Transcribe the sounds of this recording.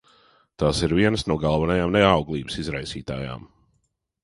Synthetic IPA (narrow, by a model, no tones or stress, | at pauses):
t̪aːsiɾviɛnəsnuɔɡalˠvanajaːmnɛawɡlˠiːbəsizɾajsiːt̪a̰ːja̰ːm